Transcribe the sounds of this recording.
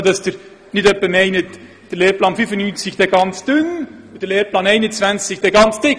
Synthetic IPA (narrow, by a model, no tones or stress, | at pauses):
d̥ɑsd̥əɾ | nɪdœpːəmɛɪnət | d̥əleːɾplɑːnfyfənyːnt͡sɪçd̥ɛɡɑnt͡sd̥ʏnd̥əɾleːɾplɑːnɛɪnənt͡svænt͡sɪçd̥ɛːɡɑnt͡sd̥ɪk